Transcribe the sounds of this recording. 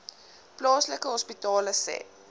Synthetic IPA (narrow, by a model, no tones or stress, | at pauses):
plɑːsləkəɦɔspitɑːləsɛ̰